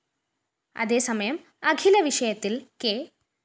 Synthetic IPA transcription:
ɐ̰ðe̞ːsɐmɐjɐm | ɐɡʱilɐʋiʂɐjɐt̪ːilkeː

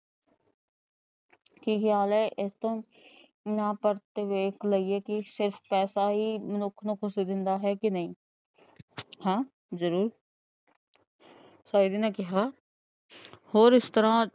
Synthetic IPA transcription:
kiːkʰjaːlɛʔɪst̪õː | nãpəɾt̪eʋeːkləiekisɪɾfpɛːsaɦiːmənʊkʰnukʰʊsid̪ɪ̃nd̪aɦɛkinɐɦĩː | hãː | zəɾuːɾ | saːid̪inekɪɦaː | hoːɾɪst̪əɾãː

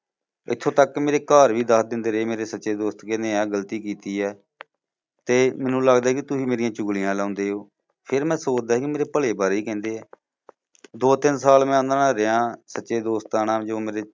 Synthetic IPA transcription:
ɪ̰t̪ʰːõːt̪əkmeːɾeːkaːɾʋiːd̪əsd̪ɪnd̪eːɾeeːmeːɾeːsətːʃeːd̪oːst̪kɛ̃ːnd̪eːãːɡəlt̪iːkiːt̪iːɛː | t̪eːmɛ̃ːnũːləɡd̪aːɦɛkit̪ʊsiːmeːɾɪjãːt͡ʃʊɡlijãːlãːnd̪eːɦoː | pʰɪɾmɛ̃ːsoːt͡ʃd̪aːkimeːɾeːpəleːbaːɾiːkɛ̃ːnd̪eːɛː | d̪oːt̪ɪnsaːlmɛ̃ːə̃nd̪ɾnaːɾeãːsətːʃeːd̪oːst̪aːnãːd͡ʒõːmeːɾeː

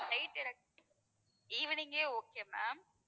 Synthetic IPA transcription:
nɐɪʈːɪɾɐk̚ | iʋɪnɪŋɡeːoːkːema̰ːm

